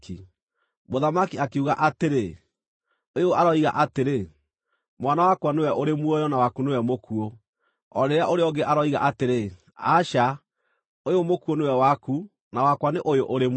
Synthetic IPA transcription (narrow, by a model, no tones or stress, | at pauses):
ki | moðamakiakeuɣaʔateɾe | ojoʔaɾɔiɣa̰ʔateɾe | mwanawakwanewɛʔoɾemwojɔnawakunewɛmokuo | ɔɾeɾeaʔoɾeɔɡeʔaɾɔiɣa̰ʔateɾe | a̰ʃa | ojomokuonewɛwaku | nawakwaneʔojoʔoɾem